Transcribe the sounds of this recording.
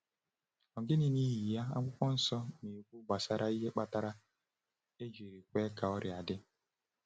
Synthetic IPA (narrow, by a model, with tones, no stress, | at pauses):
ɔ˨ɡɪ˦nɪ˨ni˦ɦi˨ja˦a̰˦ŋʷʊ˦kʷɔ˦n̩˦sɔ˦mi˨kʷu˦ɡ͡ba˨sa˦ɾʔa˦i˦ɦe˦k͡pa˦ta˦ɾa˦ | e˦d͡ʒi˨ɾi˨kʷe˦ka˨ɔ˦ɾɪ˨a˨dɪ˦